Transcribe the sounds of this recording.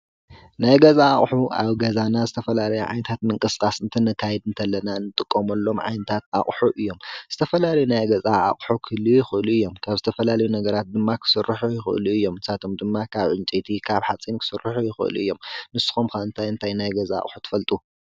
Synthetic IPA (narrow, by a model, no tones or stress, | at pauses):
najɡɐzaːχʼħuʔa̰βɡɐzanazɨt̪ʰɐfɐlalɐjuʕa̰jnɐt̪ʰat̪mɨŋkʼɨskʼasɨnt̪ʰɨnɨkʰːajɛd̪ɨnt̪ʰɐlːɐnanɨt̪ʼɨkʼːomɐlːo̞mʕa̰jnɐt̪ʰat̪̚a̰χʼħuʔɨjːo̞mz̥ɨt̪ʰɐfɐlalɐjunajɡɐzʼaa̰χʼħukʰɨlːujɪxɨʔluɨjːo̞mkʰaβzɨt̪ʰɐfɐlalɐjunɐɡɐɾat̪̚d̪ɨmːakʰɨ̥sɨrːɨħujɪxɨ̰ʔluɨjːo̞msat̪ʰomd̪ɨmːakʰaβʕʊnt͡ʃʼet̪ʰikʰaβħat͡sʼinkʰɨ̥sɨrːɨħujɪxɨ̰ʔɨlṵɨjːo̞mnɨsːɨ̥xomkaɨnt̪ʰajɨnt̪ʰajnajɡɐza̰ːχʼħu̥t̪ʰɨ̥fɐlt̪ʼu